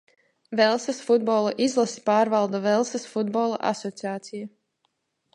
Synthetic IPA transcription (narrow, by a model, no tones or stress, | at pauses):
vɛlˠsasfud̪̚bɔlˠaʔizlˠasi̥paːɾvalˠd̪uvɛlˠsasfud̪̚bɔlˠa̰ʔa̰sɔt̪siaːt̪sija